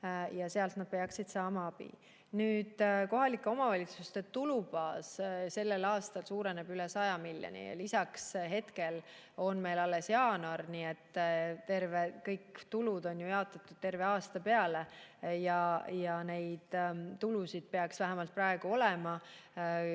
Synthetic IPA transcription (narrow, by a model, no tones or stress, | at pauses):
jɑse̞ɑlt̪nɑd̪̥̚pe̞ɑksid̪̥sɑːmɑɑb̥ḭ | nyːd̪̥ko̞ɦɑlikːˑeo̞mɑvɑlʲit̪sust̪e̞t̪ulubɑːsse̞lːelɑːst̪ɑlsuːɾenebylɛsɑjɑmiljo̰nḭɑ̰lisɑksɦe̞t̪ke̞l | o̞nme̞jlɑlːe̞sjɑːnɑrniːet̪ːt̪e̞rvekɤjkːt̪ulud̪o̞njojɑot̪ːˑɑt̪ːˑud̪̥̚t̪e̞rve̞ɑːst̪ɑpeɑlejɑjɑne̞jd̪̥t̪ːulusid̪̥̚pe̞ɑksvæɦæmɑlt̪̚prɑe̞ɡ̥uo̞lemɑ